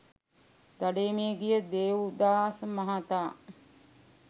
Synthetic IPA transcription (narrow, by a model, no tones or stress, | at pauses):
d̪̥aɖeːmeɡijəd̪eːud̪aːsəmaɦat̪aː